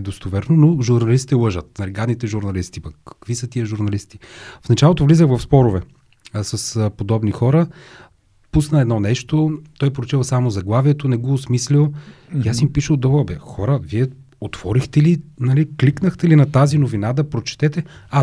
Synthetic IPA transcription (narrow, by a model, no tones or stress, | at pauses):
ɛd̪ost̪ovɛɾnonoʒuɾnɐlist̪it̪ɛlˠɤʒət̪̚nɐlɛɡad̪nit̪ɛʒuɾnɐlist̪ipɐkːɐ̥kvisət̪iəʒuɾnɐlist̪i̥fnɐt͡ʃalˠot̪ovlizəxvɐfspɔɾovɛ | sɐspod̪ɔbnixɔɾə | pusnɐɛd̪nɔnɛʃt̪ot̪ɔjpɾot͡ʃɛlˠsamozɐɡlˠaviɛt̪onɛɡoːsmislʲilˠ | ijasimpiʃəlˠd̪ɔvəlˠbɛxɔɾəviɛ | ot̪v̥ɔɾixt̪ɛlinɐlikliknəxt̪ɛlinɐt̪azinovinad̪ɐpɾot͡ʃɛ̥t̪ɛt̪ɛa